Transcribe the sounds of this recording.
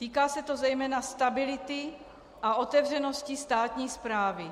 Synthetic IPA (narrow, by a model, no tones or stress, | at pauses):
t̪iːkaːsɛt̪ozɛjmɛːnast̪abɪlɪt̪ɪ | ʔaʔo̞t̪ɛvr̝ɛno̞scist̪aːt̪ɲiːspɾaːvɪ